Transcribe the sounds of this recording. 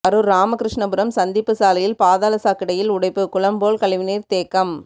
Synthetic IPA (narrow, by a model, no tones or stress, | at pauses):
ɐɾɯɾaːmɐkɪɾɪʂɳɐpɯɾɐmsɐnd̪ipːɯsaːlɐjɪlpaːðaːlɐsaːkːɪɽɐjɪlʊɽɐɪpːɯkʊɭɐmboːlkɐɭɪʋɪniːɾt̪eːkːɐm